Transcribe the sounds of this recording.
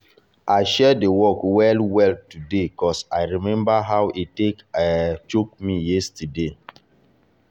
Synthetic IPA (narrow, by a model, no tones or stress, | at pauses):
ʔaɪʃɛdewɔkwɛlwɛltudekɔsaɪɹimɛ̃mbaɦawʔitekat͡ʃokmijɛstəde